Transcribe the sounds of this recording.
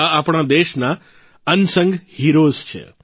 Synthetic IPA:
apɳ̃ad̪eʃna | ənsə̃ŋɡhiɾost͡ʃʰḛ

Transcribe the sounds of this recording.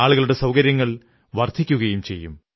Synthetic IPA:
aːɭuɣɐɭuɽe̞sɐwkɐɾjɐŋːɐɭ | ʋɐrd̪ʱikʲːuɣɐjumt͡ɕe̞jːṵm

